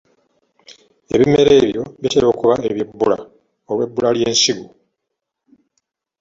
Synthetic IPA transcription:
e̞̰βime̞ɾe̞ːβjo̞βiteɾo̞ːkuβaeβjibːula̰ | owe̞bːulaljeːnsiɡu

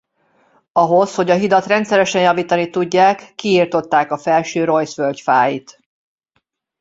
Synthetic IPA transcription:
ɒɦo̞sho̞ɟɒɦid̪ɒt̪rɛnt̪sɛɾɛʃɛnjɒviːt̪ɒnit̪uɟːaːkːiːrt̪o̞t̪ːaːkɒfɛlʃøːɾo̞jsfølcfaːjit̪

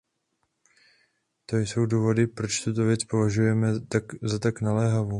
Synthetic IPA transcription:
t̪o̞jso̞wduːvo̞dɪpɾo̞t͡ʃt̪ut̪o̞vjɛt͡spo̞vaʒujɛmɛt̪azat̪aknalɛːɦavuː

